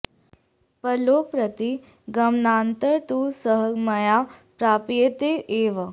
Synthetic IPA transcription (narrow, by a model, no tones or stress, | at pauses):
pəloːk̚pɾɐt̪i | ɡɐmnaːnt̪əɾt̪usəɦəmɐjaːpɾaːpijet̪eʔeːʋə